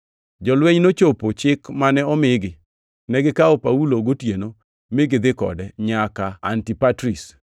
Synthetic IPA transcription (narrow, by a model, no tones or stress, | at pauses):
d͡ʒɔlweɲnot͡ʃopot͡ʃɪkmanɛɔmɪɡɪ | nɛɡɪkaɔpauloɡotjeno | mɪɡɪd̪ɪkɔ̰dɛɲakaa̰ntipatɾis